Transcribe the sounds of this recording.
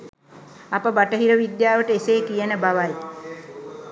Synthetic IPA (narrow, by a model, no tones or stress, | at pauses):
apəbaʈəɦiɾəʋid̪jaːʋəʈəeseːkijənəbaʋaj